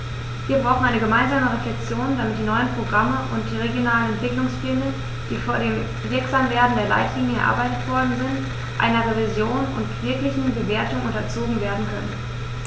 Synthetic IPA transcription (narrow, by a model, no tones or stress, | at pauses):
viːɐbʁaʊx̩ʔaɪnəɡəmaɪnzaːməʁeflɛk̚t͡sjoːnd̥amɪt̚d̥iːnɔʏənpʁ̥oɡʁaməʔʊnt̚d̥iːʁeɡjonaːlən̩ɛntv̥ɪklʊŋsfɪdə | d̥iːfoːɐɾeːm | vɪɐkz̥amveːɐdn̩deːɐla̰ɪtʰliːɲjəɛɐʔa̰ɐbaɪtətv̥ɔɐdn̩zɪnt | ʔa̰ɪnɐʁevizjoːnʊ̰ntv̥ɪɐklɪçn̩bəveːɐtʊŋʔʊntɐt͡soːɡŋ̩veːɐdn̩kʰœ̰nən